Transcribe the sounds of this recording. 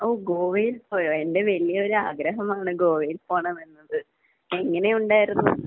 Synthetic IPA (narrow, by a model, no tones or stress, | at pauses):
o̞ːɡo̞ːʋijilpoːjoe̞nde̞ʋɐlijɐo̞ɾuaːɡɾɐɦɐmaːɳɨɡoːʋijilpoːɳɐmenːɐðɨ | e̞ŋːɐne̞uɳɖaːjiɾunːu